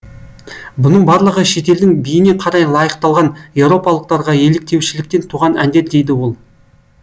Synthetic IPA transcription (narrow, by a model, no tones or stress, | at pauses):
bʊnəɴbɑɾlˠəʁəʃe̞t̪e̞ld̪ɪŋbijɪneqʰɑɾɑjlˠɑjəqt̪ɑlˠʁɑnje̞vɾo̞pɑlˠəq̚t̪ɑɾʁɑje̞lek̚t̪e̞wʃɪlɪkt̪e̞nt̪ʰuʁɑnænd̪e̞ɾd̪e̞jd̪ɪwo̞lˠ